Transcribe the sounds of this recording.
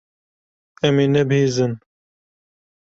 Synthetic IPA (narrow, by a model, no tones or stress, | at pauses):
ɛmeːnɛbheːzɨn